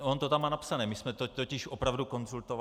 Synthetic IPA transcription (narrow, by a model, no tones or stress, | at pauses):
ont̪ot̪amaːnapsanɛːmɪsmɛt̪ot̪ocɪʃʔopɾavduko̞nzult̪ov